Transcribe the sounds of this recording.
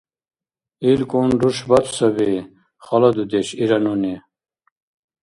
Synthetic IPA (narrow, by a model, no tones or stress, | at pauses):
ilkoːnɖuʂbɐt̪ʰsɐbi | xɐlɐd̪ud̪eɕiɾɐnuni